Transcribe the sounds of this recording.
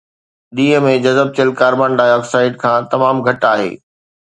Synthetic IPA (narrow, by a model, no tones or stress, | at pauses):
ɗ̪iːɦə̆mẽd͡ʑɐzəb̚t͡ɕəlkaːɾbãːnɖaːjɔːksaːɪɖ̚kʰãːt̪ɐmaːmɡʱɐʈaːɦḛː